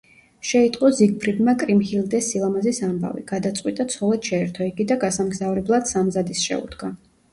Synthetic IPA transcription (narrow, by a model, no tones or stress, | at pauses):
ʃɛit̪ʼqʼɔziɡ̚pʰɾid̪makʼɾimhilˠd̪ɛsilˠamazisamba̰vḭɡ̥ad̪at̪sʼqʼwit̪ʼat̪sʰɔlˠɛt̪ʃɛɛɾt̪ʰɔiɡid̪aɡasamɡzavɾɛblˠad̪samzad̪isʃɛ̰ṵd̪̥ɡa